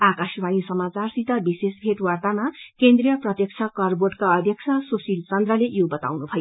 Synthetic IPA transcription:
akasbanisʌmat͡sarsit̪abisesbʱeʈwart̪amakend̪rijʌprʌt̪jʌk̚t͡sʰʌkʌrboʈkaʌd̪ʱjʌk̚t͡sʰʌsusilt͡sʌnd̪rʌlejobʌt̪a̰wnubʱʌjo

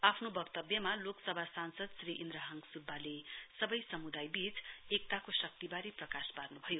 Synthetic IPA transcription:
apʰnobʌkt̪ʌbjʌmaloksʌbʱasansʌd̪sriʔind̪ɾʌɦʌŋɡsubʱːalesʌbʌjsʌmud̪ajbit͡sek̚t̪akosʌk̚t̪ibaɾiprʌkasparnubʱʌjo

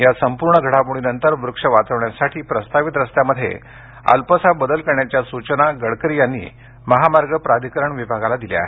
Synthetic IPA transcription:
jasəmpuɾɳəɡʱəɽapuɽ̃inənt̪əɾʋɾukʂəʋat͡səʋɳjasaʈʰiːpɾəst̪aʋit̪ɾəst̪jaməd̪ʱːjḛ | ə̰lpəsabəd̪əlkəɾɳjat͡ɕjasut͡ɕənaɡəɽkəɾijanːḭː | məɦamaɾɡəpɾad̪ʱikəɾəɳʋibʱaɡalad̪ilea̰ɦe

